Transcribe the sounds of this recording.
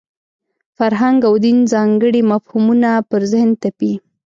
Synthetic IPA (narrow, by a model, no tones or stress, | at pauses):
faɾɦaŋɡawd̪inzɑŋɡəɽimafhumunapəɾzɪhnt̪api